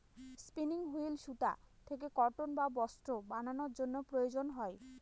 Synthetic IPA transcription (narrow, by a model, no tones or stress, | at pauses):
spiniŋɦuilʃut̪a̰t̪ʰek̬ekɔʈonbabɔsʈɾobananoɾd͡ʑonːopɾojod͡ʑonɦɔe